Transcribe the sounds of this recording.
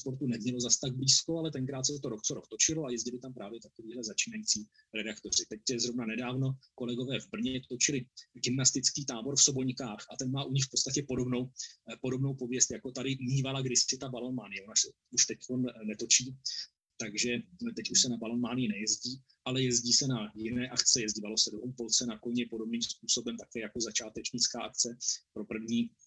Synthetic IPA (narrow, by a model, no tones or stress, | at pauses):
spo̞ɾt̪unɛmɲɛlo̞zast̪aɡ̚bliːsko̞alɛt̪ɛŋkɾaːt̪sɛt̪oɾokt͡soɾokt̪o̞t͡ʃɪloajɛzɟɪlɪt̪ampɾaːvjɛt̪akoviːɦlɛzat͡ʃiːnajit͡siː | ɾɛdakt̪o̞r̝ɪt̪ɛcɛzɾovnanɛdaːvno̞ko̞lɛɡo̞vɛːvbr̩ɲɛt̪ot͡ʃɪlɪɡɪmnast̪ɪt͡skiːt̪aːbo̞ɾfsobo̞ɲkaːxʔat̪ɛnmaːʔuɲɪxfpo̞t̪t͡sst̪acɛpo̞do̞bno̞wpo̞do̞bnowpovjɛst̪jako̞t̪adɪmiːvalaɡdɪssɛt̪abalo̞nmaːnɪjɛonasɛ | uʃt̪ɛckonnɛt̪o̞t͡ʃiː | t̪aɡʒɛt̪ɛcuʃsɛnabalo̞nmaːnɪjɪnɛjɛzɟiː | ʔalɛjɛzɟiːsɛnajɪnɛːʔakt͡sɛjɛzɟiːvalo̞sɛdoumpolt͡sɛnakoɲɛpo̞do̞bniːmspuːso̞bɛmt̪akɛːjako̞zat͡ʃaːt̪ɛt͡ʃɲɪt͡skaːʔak̚t͡sɛpɾo̞pr̩vɲiː